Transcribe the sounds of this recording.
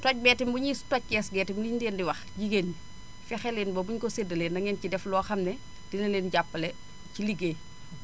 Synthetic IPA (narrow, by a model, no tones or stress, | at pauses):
tɔc̚bɛːtimbuɲiːstɔc̚ːɛsɡɛːtimlideːndiwɐxɟiɡeni | fɛxɛleːnbɐbuɲkɔsedɐleːnːɐŋɛncidɛflɔːxɐmnɛ | d̥inɐleːnɟapːɐlɛ | ciliɡeː